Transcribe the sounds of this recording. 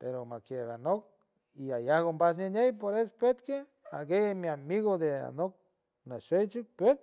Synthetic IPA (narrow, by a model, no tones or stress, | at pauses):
peɾomakeβanok̚ | iajahɣombas̬nenejpoɾespwet̪ke | aɡejemiamiɣod̪ea̰nok̚ | naʃejt͡ʃik̚pwet̪̚